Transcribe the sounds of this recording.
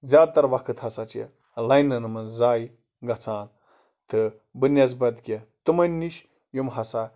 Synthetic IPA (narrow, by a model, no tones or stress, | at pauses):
zʲjaːd̪̚t̪ɐɾʋɐkʰɨt̪hɐsɐt͡ʃḛ | lɐjnːɐnɨmɐnzaːi | ɡɐt͡sʰaːn | t̪ʰɨ | bɨnʲɐs̬bɐd̪kʲet̪umɐnʲːiʃ | jumɦɐsaː